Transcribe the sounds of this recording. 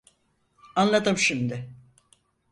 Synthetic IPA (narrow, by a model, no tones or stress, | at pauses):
anlˠad̪ɯmʃimd̪ɪ